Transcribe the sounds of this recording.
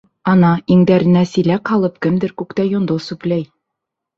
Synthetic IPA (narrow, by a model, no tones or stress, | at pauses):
ɑnɑiŋd̪æɾɘ̆næsilækhɑlˠɤp̚kɘmd̪ɘɾkʉkt̪æjŏnd̪osʉplæj